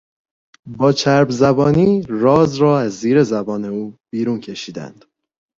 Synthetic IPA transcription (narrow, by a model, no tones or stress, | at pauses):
bɒːt͡ʃʰæɾbzæbɒːniːrɒːzɾɒːæzːiːɾe̞zæbɒːne̞uːb̥iːɾuːncʰe̞ʃiːd̪æ̰nd̪̥